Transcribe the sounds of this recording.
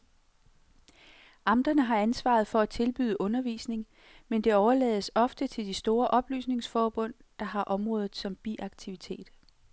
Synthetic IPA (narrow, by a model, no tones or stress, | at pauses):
ʔɑ̈md̥ɐnəɦɑ̈ænsʋɑ̰̈ð̞̩ˠfɒ̽æt͡sʰe̝lb̥y̰ːðˠəʔɔ̽nɐʋḭːsne̝ŋ | mend̥e̝ɒʊɐlɛ̰ːð̞̩ˠəsɒ̽fd̥ət͡sʰe̝ld̥isd̥o̝ːɐʔɒ̽b̥ly̰ːsne̝ŋsfɒːb̥ɔ̽n̰d̥ɑ̈ɦɑ̈ʔɒ̽mʁɔ̽ːð̞ˠð̩ˠsɒ̽mb̥iʔɑ̈ɡ̥̚t͡sʰiʋit͡sʰe̝̰ːd̥